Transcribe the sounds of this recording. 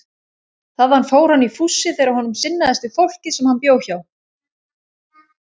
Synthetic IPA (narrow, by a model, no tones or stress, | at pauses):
θaðanfoːwɾ̥hanːifusːɪθeɾawhɔnʏmsɪnːaðɛst̪ɪ̥fowl̥cɪsɛmhanpjoːwçaw